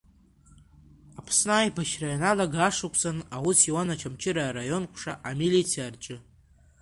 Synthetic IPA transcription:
apʰsnaːjpʰaʃrajanalaɡaːʂakʷʰʼt͡sanawusiwanat͡ʃʰamt͡ʃʰɪɾaːrajo̞nkʷʰʂaʔamilit͡sʰijarʈ͡ʂʼɨ

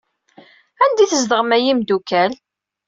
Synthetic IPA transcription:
ænd̪iθəzd̪əʁəmæjimd̪ukæl

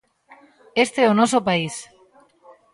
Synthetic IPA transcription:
est̪e̞onosopais

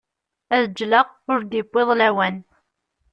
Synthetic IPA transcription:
æðəd͡ʒːləʁʊɾd̪ibːeðˤlæwæn

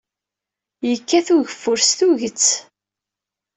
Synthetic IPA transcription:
jəkːæθuʝəfːʊɾst̪uʝət͡sː

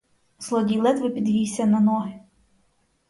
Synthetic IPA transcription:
z̥lˠɔdʲilˠɛt̪ʋɪpʲid̪ɦʲijsʲɐnɐnɔɦɪ

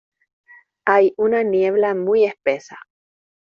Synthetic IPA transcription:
ajunanjeβlamujespesa

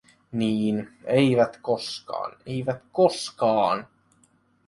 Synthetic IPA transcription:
niːnejʋæt̪ko̞skɑ̰ːnejʋæt̪koskɑːn

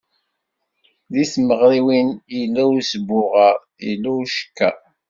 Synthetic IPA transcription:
ðisməʁɾiwinjəlːæwsbʊʁəɾ | jilːuʃə̥kːæ̰

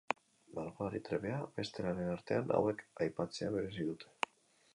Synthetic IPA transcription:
malɣoaɾit̪ɾe̞βe̞aβe̞st̪e̞ɾaɾe̞naɾt̪e̞anʔa̰we̞kajpat͡se̞aβe̞ɾe̞s̬iðut̪ʰe̞̥

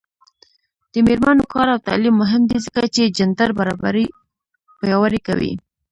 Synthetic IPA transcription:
d̪̥əmeɾmanokɑɾawt̪ɑ̰limːʊɦɪmd̪izəkat͡ʃed͡ʒand̪aɾbaɾɑ̰baɾi | pajɑwaɾika̰wḭ

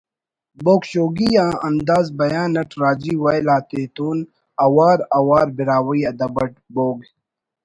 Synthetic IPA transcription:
boːkɕoːɡijãːʔɐnd̪aːzbɐjaːnɐʈɾaːd͡ʑiːwɐjlaːt̪eːt̪uːn | ɐwaːɾɐwaːɾbiɾaːwiɐd̪ɐbɐʈ̚boːɡ

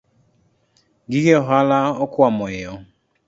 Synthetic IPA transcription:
ɡiɡeɦalaɔkamɔɪjɔ

